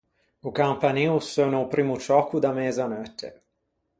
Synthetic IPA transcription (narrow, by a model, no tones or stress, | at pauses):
ukampaniːusonoupɾiːmut͡ʃɔːkud̪amɛzanɔt̪ʰːḛ